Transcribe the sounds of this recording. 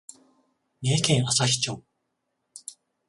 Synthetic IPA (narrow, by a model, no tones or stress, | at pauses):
neːkẽɰ̃asaçʲi̥t͡ɕoː